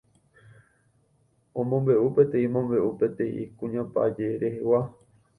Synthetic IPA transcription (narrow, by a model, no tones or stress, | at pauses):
õmõmbe̞ʔupẽ̞t̪ẽĩmõmbe̞ʔupẽ̞t̪ẽʔḭ̃kũɲãpa̰d͡ʒe̞ɾehewa